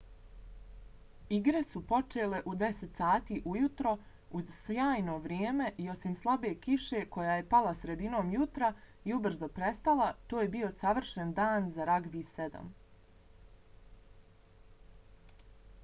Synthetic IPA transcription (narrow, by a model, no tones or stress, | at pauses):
iɡɾe̞supo̞t͡ʃe̞ːle̞ʔud̪e̞set̪saːt̪iːʔujut̪ɾo̞ | uzsjaːjno̞ʋɾʲjeːme̞ʔio̞simslˠabekiʃe̞ːko̞jaːje̞palasɾe̞d̪ino̞ːmjut̪ɾa | iubr̩zo̞pɾe̞st̪alˠat̪oːje̞bio̞saʋr̩ʃend̪aːnzaɾaɡʋised̪a̰m